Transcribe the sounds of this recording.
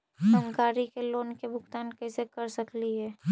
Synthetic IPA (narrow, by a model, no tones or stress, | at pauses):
ɦəŋkaːɾikeloːnkebʱʊɡt̪aːnkɛːsekɐɾsɐkliɦɛː